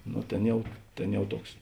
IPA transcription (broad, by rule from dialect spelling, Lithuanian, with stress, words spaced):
ˈnoː ˈtʲeːn ˈjɛʊ ˈtʲeːn ˈjɛʊ ˈtuɔks